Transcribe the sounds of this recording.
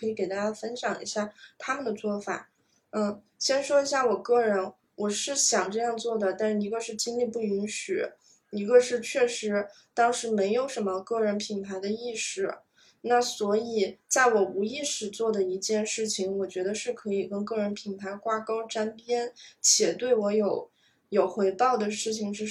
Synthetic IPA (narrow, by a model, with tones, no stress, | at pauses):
ɤ˧˥i˧˥ke˨˩ɪt̪a˥t͡ɕja˥˩fə˥nɕjɑ˨˩ŋḭ˧˥ɕja˥˩t̪ʰa˥mə˨nd̪ə˩t͡swɔ˥˩fa̰˨˩˦ | n̩˥˩ | ɕjɛ˥nʂwɔ˥i˧˥ɕja˥˩wɔ˨˩kɤ˥˩ɻə˧˥n | wɔ˨˩ʂɻ̩˥˩ɕjɑ˨˩ŋʈ͡ʂɤ˥˧jɑ˥˧ŋt͡swɔ˥˩d̪ə˩t̪a˥˧nʂɻ̩˥˩i˧˥ɡə˧ʂɻ̩˥˩˧t͡ɕi˥ŋli˥˧pu˥˩i˧˥nɕy˨˩ | i˧˥ɡə˧ʂɻ̩˥˧t͡ɕʰɥɛ˥˩ʂɻ̩˧˥ | t̪ɑ˥ŋʂɻ̩˧˥me˧˥ɪjo˨˩ʊʂə˧˥nmə˧kɤ˥˩ɻə˧˥npʰi˨˩ŋpʰa˧˥ɪd̪ə˧i˥˧ʂɻ̩˥˩ | na˥˩swɔ˧˥i˨˩t͡sa˥˩ɪwɔ˨˩u˧˥i˥˧ʂɻ̩˨˩t͡swɔ˥˩d̪ə˩i˧˥t͡ɕjɛ˥˧nʂɻ̩˥˩t͡ɕʰi˩ŋwɔ˨˩t͡ɕɥɛ˧˥d̪ə˧ʂɻ̩˥˩kʰɤ˧˥i˨˩kə˥nkɤ˥˩ɻə˧˥npʰi˨˩npʰa˧˥ɪkwa˥kɑ˥ʊʈ͡ʂa˥npjɛ˥nt͡ɕʰjɛ˨˩t̪we˥˩ɪwɔ˧˥jo˨˧˩ʊ | jo˨˩ʊxwe˧˥ɪpɑ˥˩ʊd̪ə˩ʂɻ̩˥˩t͡ɕʰi˨˩ŋʂɻ̩˥˧